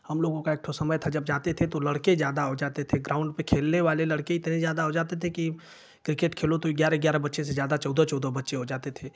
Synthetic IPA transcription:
hɐmloːɡõkaek̚ʈ̪ʰosɐməjt̪ʰad͡ʒɐbd͡ʒaːt̪et̪ʰet̪olɐɽkezjaːd̪aɦod͡ʒaːt̪et̪ʰeɡɾãːʊ̃ɳɖpekʰeːlneʋaːlelɐɽkeɪt̪nezjaːd̪aɦod͡ʒaːt̪et̪ʰeki | kɾɪkeʈkʰeːlot̪oiɡjaːɾeɡjaːɾabɐtːʃesezjaːd̪at͡ʃɔʊd̪ot͡ʃɔːd̪obɐtːʃeɦod͡ʒaːt̪et̪ʰeː

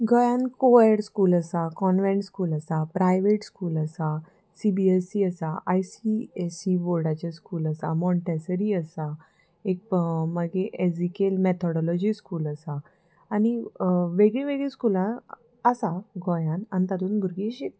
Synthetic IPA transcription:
ɡʱɔjãnkoəɽskuːləsakɔnʋɛ̃ɳʈskuːləsapɾajʋeʈskuːləsa | sibiesiəsaʔajsiesiʋoɾɽat͡ɕaskuːləsamɔ̃ɳʈɛsəɾiːəsa | ek̚məɡeʔed͡zikelmɛt̪ʰɔɽɔlɔd͡ʑiskuːləsaː | ñiʋeɡɭẽʋeɡɭeskulã | əsaɡʱɔjãnanit̪at̪uːnbʱuɾɡiɕit̪

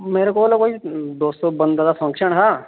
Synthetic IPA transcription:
meːɾekoːlɛkoːid̪oːst̪obənd̪ad̪apʰə̃ŋkʃəɳɦɛː

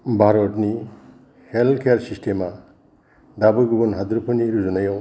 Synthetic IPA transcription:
bʱaɾɔtni | heltkʰejaɾsistʰema | dabɯɡɯbunɦad̪uɾpʰɯniɾuzunajɔ

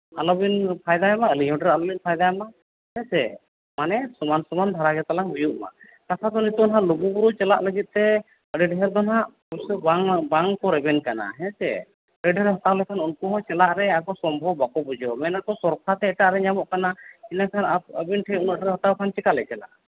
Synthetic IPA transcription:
alɔbinpʰajd̪ajɛmaəliɲɔ̃ɖɾalɔbinpʰajd̪aɛma | hɛ̃sɛ̰ | manɛsɔmansɔmand̪ʱaɾaɡɛt̪alaŋbijuʔma̰ | k̪akʰad̪ɔnit̪ɔɔnɦaʔluɡubuɾut͡ʃɛla̰ʔləɡit̪̚ˀt̪ɛ | əɖɛɖɛɦɛɾd̪ɔnɦaʔ | ɔsɔbaŋbaŋkɔɾɛbɛnkana̰ɦɛ̃sɛ̰ | ɾɛɖɛɾɛɦɔt̪awlɛkʰanunkuɦɔ̃t͡ʃɛlaʔɾɛakɔsɔmbʱɔbakɔbud͡ʒɔmɛnakɔsɔɾpʰat̪ɛːʈaʔɾɛɲamɔʔkanainakʰanaəbinʈʰɛunɔʔɖɛɾɛɦɔt̪awkʰant͡ʃɛkalɛt͡ʃɛla̰ʔ

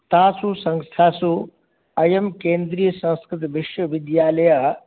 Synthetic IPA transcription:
t̪aːsusɐ̃ŋst̪ʰaːsu | ɐjɐmkeːnd̪ɾijɐsɐ̃nskɾɪt̪ʋiʃʋɐʋɪd̪jaːlɐja

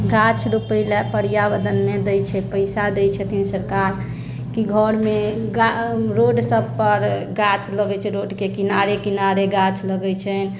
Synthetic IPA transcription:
ɡat͡ʃʰɾupəlepəɾijabəd̪ənmed̪əjt͡ʃʰɛpəɪsad̪ɛjt͡ʃʰɛt̪ʰinsəɾkaɾ | kiɡʱɔɾmeɡaɾoɖsəbpəɾɡat͡ʃʰləɡɛt͡ʃʰɛɾoɖkekinaɾekinaɾeɡat͡ʃʰləɡɛt͡ʃʰɛn

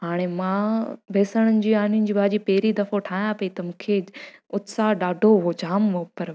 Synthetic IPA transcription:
ɦaːɽ̃emãbʱeːsəɽ̃ənɪ̆d͡ʑiːaːnijʊnɪ̆d͡ʑiːbʱaːd͡ʑipɐɦɾid̪ɐfoʈʰaːɦj̃ãpɐit̪ɐmũːkʰeʊt̪saɗaːɖʱoʊɦod͡ʑaːmopɐɾ

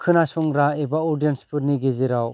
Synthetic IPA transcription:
kʰɯnasɔŋɾaebaɔɾdijɔnspʰuɾniɡezeɾaw

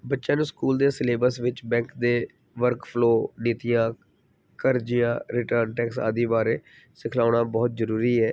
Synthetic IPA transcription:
bətːʃãːnũːskuːld̪eːsɪleːbəɾsʋɪt͡ʃbɛ̃ːŋkd̪eː | ʋəɾkpʰloːniːt̪ɪjãː | kəɾd͡ʒɪjãːɾɪʈəɾnʈɛːksa̰ːd̪iːbaːɾeː | sɪkʰlaːɽaːbɔːt̪̚zəɾuːɾiːɛː

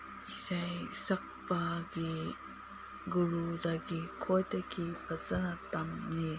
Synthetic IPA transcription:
isajsɐk̚paɡi | ɡuɾudaɡikʰojtɐkipɐzɐnatamni

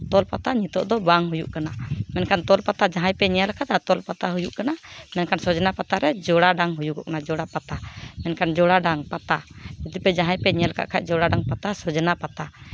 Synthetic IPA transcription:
t̪ɔlpat̪aɲit̪ɔʔd̪ɔbaŋɦujṵʔkanamɛnkant̪ɔlpat̪ad͡ʒaɦãjpɛɲɛjalkʰat̪at̪ɔlpat̪aɦujuʔkanamɛnkansɔd͡ʒnapat̪aɾɛd͡ʒɔɽaɖaŋɦujukɔ̰ʔkanad͡ʒɔɽapat̪amɛnkand͡ʒɔɽaɖaŋpat̪aid̪upɛd͡ʒãɦãjpɛɲɛalkʰa̰ʔkʰac̚ˀd͡ʒɔɽaɖaŋpat̪asɔd͡ʒnapat̪a

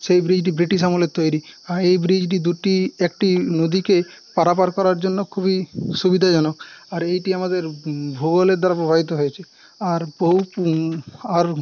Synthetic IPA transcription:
sejbɾid͡ʒʈ̬ibɾiʈisamolet̪ojɾiaɾejbɾid͡ʒʈ̬id̪uʈiekʈinod̪ikepaɾapaɾkɔɾaɾd͡ʒonːɔkʰubisubid̪ʱad͡ʒɔnɔkaɾejʈiamad̪eɾbʱuɡɔleɾd̪ʱaɾapɾɔbʱabit̪ɔɦojet͡ʃʰe | aɾboup | aɾ

